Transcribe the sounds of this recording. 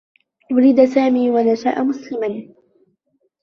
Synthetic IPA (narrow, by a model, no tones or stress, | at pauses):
ʔʊɾid̪asaːmiːwanasa̰ːʔamʊslɪman